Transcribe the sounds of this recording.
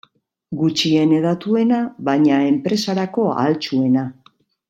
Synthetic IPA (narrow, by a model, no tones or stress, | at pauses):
ɡut͡ʃie̞ne̞ðat̪ue̞naβajɲae̞mpɾe̞saɾako̞a̰lt͡ʃue̞na